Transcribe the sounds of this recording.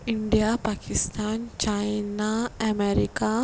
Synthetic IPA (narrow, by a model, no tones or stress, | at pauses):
iɳɖiapakist̪ant͡ʃajinaʔameɾika